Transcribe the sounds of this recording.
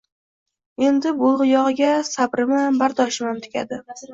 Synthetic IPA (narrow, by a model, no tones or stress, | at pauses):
e̞nd̪ɪbʊlˠʁɨjɒʁɨɡʲasabɾɪmbaɾt̪ʰɒʃmamt̪ʰɪ̥kʲʰa̰d̪ɪ